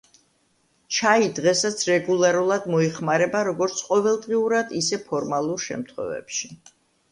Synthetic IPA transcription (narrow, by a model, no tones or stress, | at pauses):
t͡ʃʰaid̪ʁɛsat̪sʰɾɛɡulˠaɾulˠad̪mɔɛχmaɾɛbaɾɔɡɔɾt̪sʰqʼɔvɛlˠd̪ʁiuɾad̪isɛpʰɔɾmalˠuɾʃɛ̰mt̪ʰχwɛ̰vɛ̰pʃi